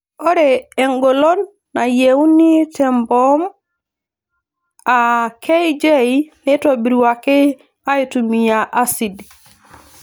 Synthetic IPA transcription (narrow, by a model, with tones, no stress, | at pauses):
o˦ɾee˨ŋɡo˨lo˦nː | a˨jewni˦tembom | akʰe˦jd͡ʒe˦jne˦tobi˨ɾwake˦ | a˦jitumi˨jaʔa˦si˨d